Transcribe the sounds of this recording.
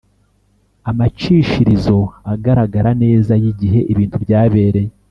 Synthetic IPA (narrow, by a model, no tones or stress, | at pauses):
amat͡ʃiːʃiɾizo̞aɡaɾaɡaɾane̞ːzajiɟiɦe̞ʔiβiːntubjaːβe̞ːɾe̞je